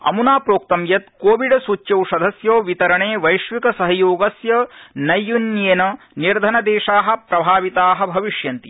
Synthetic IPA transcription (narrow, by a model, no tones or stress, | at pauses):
ɐ̰munaːpɾoːk̚t̪ɐmjɐt̪̚koːʋiɖɐsut͡ʃːjɐwʃɐd̪ʱɐsjoːʋit̪ɐɾɐɳeːʋɐjʃʋikɐsɐɦɐjoːɡɐsjɐnɐjːunjeːnɐ | niɾd̪ʱɐnɐd̪eːʃaːɦɐ̆pɾɐbʱaːʋit̪aːɦɐ̆bʱɐʋiʂjɐnt̪i̥